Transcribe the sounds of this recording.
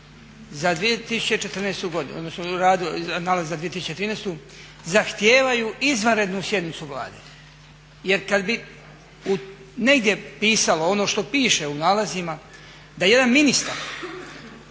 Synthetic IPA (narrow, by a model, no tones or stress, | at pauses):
zad̪ʋijet̪isu̥t͡ɕet͡ʃet̪r̩neːst̪uɡo̞d̪in̰od̪nosnoɾaːd̪anaːlazzad̪ijet̪isu̥t͡ɕet̪ɾiːnest̪u | zaxt̪jeːʋajuʔizʋanɾe̞d̪nusje̞d̪nit̪suʋlˠa̰ːd̪ḛ | je̞ɾkad̪bi | u | ne̞ɡd̪ʲje̞piːsaloo̞noʃt̪o̞piːʃe̞unaːlazima | d̪ajje̞d̪anminist̪aɾ